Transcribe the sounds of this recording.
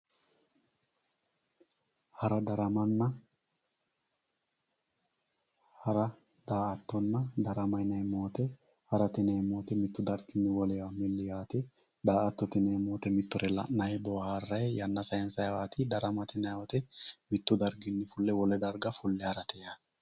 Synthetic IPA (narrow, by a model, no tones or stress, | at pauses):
hɐɾɐd̪ɐɾɐmɐnːɐ | hɐɾɐ | d̪̥aːʔɐt̪ːɔnːɐd̪ɐɾɐmɐjnɐjmoːt̪ɛ | hɐɾɐt̪ɪnɛjmo̞ːt̪ɛmɪt̪ːʊd̪ɐɾɡɪnːɪwɔlɛjamɪlːɪjaːt̪ɪ | d̪aːʔɐt̪ːɔt̪ɪneːmoːt̪ɛmɪt̪ːɔɾɛlɐ̰ʔːɐjbɔharːɐjjɐnːɐsɐjɛnsɐjwaːt̪ɪd̪ɐɾɐmɐt̪ɪnɐjɔt̪ɛmɪt̪ːʊd̪ɐɾɡɪnːɪfʊlːɛwɔlɛd̪ɐɾɡɐfʊlːɛhɐɾɐt̪ʰɛja